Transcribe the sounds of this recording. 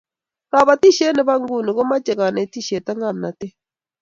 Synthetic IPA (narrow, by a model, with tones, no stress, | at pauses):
ɾa˨βa˨ti˦ʃe˦ne˨βa˦ŋɡu˦˨ni˨ɣo˦ma˦t͡ʃe˨ɣa˨ne˨ti˦˨ʃe˨ta˦ŋa˦˨na˨te˦